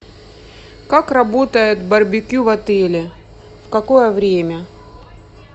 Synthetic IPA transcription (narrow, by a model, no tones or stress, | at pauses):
kakrɐbo̞t̪əjɪt̪bɐrbʲɪkʲivɐt̪ɛlʲɪ | fkɐkojəvɾʲemʲə